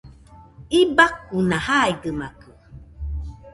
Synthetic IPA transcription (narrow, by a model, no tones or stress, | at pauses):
ibak̚unãhaiɡɨmakɨ